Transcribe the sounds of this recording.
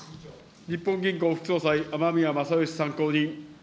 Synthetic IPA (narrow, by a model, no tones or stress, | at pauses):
ɲ̟ipːõŋɡʲĩŋko̞ːɸɯ̟̥kɯ̥so̞ːsaiʔamamʲiamasajɯɕi̥sãŋko̞ːɲ̟ĩ